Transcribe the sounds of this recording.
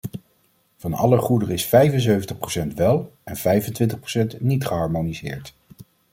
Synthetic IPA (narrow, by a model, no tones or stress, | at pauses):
vɑnɑ̰ləχudərɪsfɛjvənzøɥvəntəχprowsɛntʋɛlˠɛnv̥ɛjvəntʋɪntəχprowsɛntnitχəɦɑɹmonizɪ̰ːɹt